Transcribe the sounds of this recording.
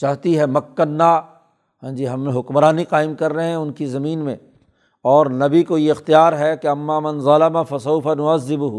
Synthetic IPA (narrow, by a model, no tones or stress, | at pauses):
t͡ʃaːɦt̪iɦɛmɐkːənːa | ɦãːd͡ʒiːɦɐmnẽɦʊkmɾaːniqaːɪmkɐɾːɐɦɛ̃ʊnkizɐmiːnmḛ̃ː | ɔːɾnɐbikojeɪxt̪ijaːɾɦɛkeɐmːaːmɐ̃nzˤɐlɪmɐfɐsɐʊfɐnʊɐzːɪbʊɦʊ